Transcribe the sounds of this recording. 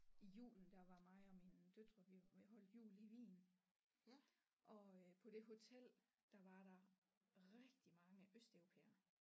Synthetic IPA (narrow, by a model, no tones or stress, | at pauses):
ijṵːln̩d̥ɑ̈ʋɑ̈mɑ̈ɪɒ̽mind̥ød̥ʁɐʋiʋiɦɒ̽l̰d̥jṵːliʋḭːn | ʔɒ̽pʰɒ̽d̥e̝ɦo̝t͡sʰel̰ | d̥ɑ̈ʋɑ̈ɾ̥ɑ̈ | ʁɛɡ̥d̥imɑ̈ŋəʔøsd̥eʊʁo̝pʰḛːɐ